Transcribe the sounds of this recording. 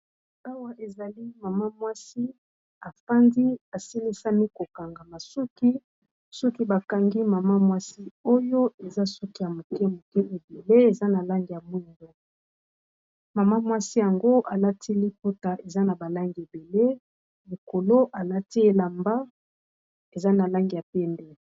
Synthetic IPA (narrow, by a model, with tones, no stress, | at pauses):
a˦wa˦ʔe˨za˨li˦ma˨ma˦mwa˦si˦ | a˨fa˦ndi˦a˨si˦li˦sa˦mi˦ko˨ka˨ŋɡa˨ma˨su˦ki˦ | su˦ki˦ba˨ka˨ŋɡi˦ma˨ma˦mwa˦si˦o˦jo˦e˨za˦su˦ki˦ja˨mo˨kɛ˦mo˨kɛ˦e˨be˨le˦e˨za˦na˨la˦ŋɡi˨ja˨mwi˦˨ŋɡo˦ | ma˨ma˦mwa˦si˦ja˨ŋɡo˦ʔa˨la˦tʰi˦li˦po˦ta˨ʔe˨za˦na˨ba˨la˦ŋɡi˨e˨be˨le˦ | li˨ko˨lo˦ʔa˨la˦ti˦e˦la˨mba˦ | e˨za˦na˨la˦ŋɡi˨ja˨pɛ˦ndɛ˦